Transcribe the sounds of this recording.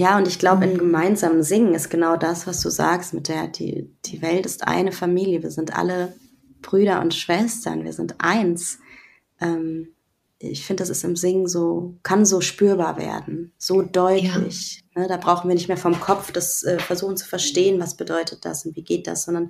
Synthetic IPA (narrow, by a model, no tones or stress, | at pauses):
jaːʊntɪçɡ̥laʊbəɪnɡəmaɪnzaːmənzɪŋən̩ɪstɡ̥ənaʊdasv̥asd̥ṵːza̰ːkstmɪt̚d̥eːɐd̥ḭːd̥ḭːvɛltɪstʔa̰ɪnəfamiːljəviːɐzɪntʔa̰lə | b̥ʁyːɾɐʔʊ̰ntʃv̥ɛstɐ̰nvḭːɐzɪntʔa̰ɪns | ʔɛːm | ɪçfɪndədasɪstɪmzɪŋənzoːkʰanzoːʃpyːɐbaːɐvḛːɐdn̩z̥oːdɔʏtʰlɪ̰çnəd̥aːbʁaʊxn̩viːɐnɪçtmeːɐfɔmkʰɔfd̥asʔɛːfɛɐzuːxn̩t͡su̥fɛɐʃteːənvasb̥ədɔʏtʰət̚d̥a̰sʊntv̥iːɡeːt̚d̥a̰sz̥ɔndɐn